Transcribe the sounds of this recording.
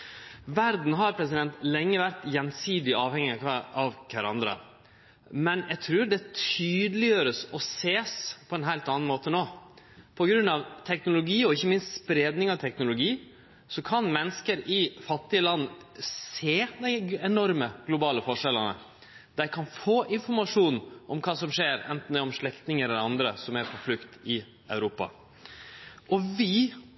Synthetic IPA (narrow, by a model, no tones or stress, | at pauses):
ʋæɾd̪n̩ɦɑɾpʰɾɛs̬ɪd̪ɛnt̪lɛŋːəʋæɾt̪jɛnsiːd̪ɪɑːʋhɛŋːɪɑʋkʰæɾɑ̰nd̪ɾə̰ | mɛnjæt̪ʰɾʉːɾɖɛt̪ʰyːd̪əlɪjøːɾəsɔseːspʰɔɛnɦæɪlt̪ɑːnn̩moːt̪ənoː | pʰɔɡɾʉnːɑʋt̪ʰɛknʊlʊɡiːɔɪçːəmɪnst̪spɾeːd̪nɪŋɑʋt̪ʰɛknʊlʊɡiː | sɔkʰɑnmɛnːəskəɾɪfɑt̪ːɪəlɑnːseːd̪ɛɪɛnɔɾməɡ̥lʊbɑːləfɔʂɛlənə̰ | d̪̥æækʰɑnfoːʔɪnfɔɾmɑʂuːnʔɔmkʰɑːsɔmʂeːɾɛ̰nt̪n̩d̪ɛɔmʂɭɛkt̪nɪŋəɾɑnd̪ɾəsɔmæɾpʰɔflʉkt̪ɪ | œʉɾuːpɑ̰ | ʔɔʋɪ